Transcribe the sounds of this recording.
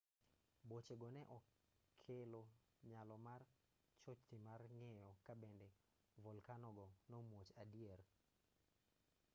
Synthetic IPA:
bot͡ʃeɡɔnɛʔɔ | kʰelo | ɲalɔmar | t͡ʃot͡ʃt̪imarŋejɔkabɛndɛ | vɔlkanɔɡɔnɔmwot͡ʃadier

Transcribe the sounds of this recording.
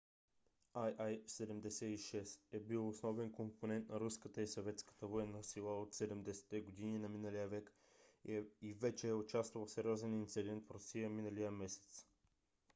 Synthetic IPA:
ajajsɛd̪ɛmd̪ɛsɛiʃɛsɛbilˠosnɔvɛnkomponɛnt̪nɐɾuskət̪əisɐvɛt̪skə̥t̪əvoɛnːəsilˠaot̪sɛd̪ɛmd̪ɛsɛ̥t̪ːɛɡod̪ininɐminəlijəvɛk | ivɛt͡ʃɛːʊt͡ʃast̪vəlˠsɛɾʲiɔzɛnint̪sid̪ɛnt̪fɾosijəminəlijəmɛsɛ̥t̪s

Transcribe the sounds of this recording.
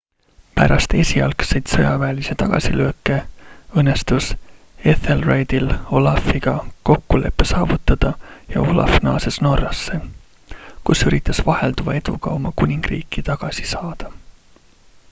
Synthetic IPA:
pæ̰ɾʔɑst̪e̞sʲiɑlksejt̪sɤjɑvæːlise̞t̪ɑɡ̥ɑ̰silø̞ːkːˑe̞ɤnːest̪us | e̞θelrejd̪̥ilo̞lɑfiɡ̥ɑko̞kːule̞̰pːe̞sɑːvut̪ˑːɑd̪̥ɑjɑ̰o̞lɑ̰fnɑ̰ːse̞sno̞rːɑsːe̞ | kusyɾit̪ːˑɑsvɑhe̞ld̪uvɑe̞d̪̥uɡ̥ɑo̞mɑkunʲiŋɡ̥rḭːkːˑit̪ɑɡ̥ɑsi̥sɑːd̪̥ɑ

